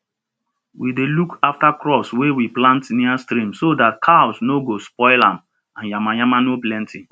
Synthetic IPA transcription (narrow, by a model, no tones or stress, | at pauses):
widelukaftakɾɔpswewiplãntniastɾĩmsodat̚kʰaɔsnoɡospɔɪlãm | ãnjamajamanoplɛ̃ntʰi